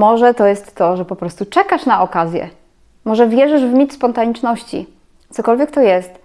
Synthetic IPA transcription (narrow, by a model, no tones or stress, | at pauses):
mɔʐɛt̪ɔjɛst̪ːɔʐɛpɔpɾɔst̪ut͡ʂɛkaʂnaɔkazʲjɛ̰ | mɔʐɛvʲjɛʐɘʐvmʲit̪spɔnt̪aɲit͡ʂnɔɕt͡ɕḭ | t̪sɔkɔlvʲjɛk̚t̪ɔjɛst̪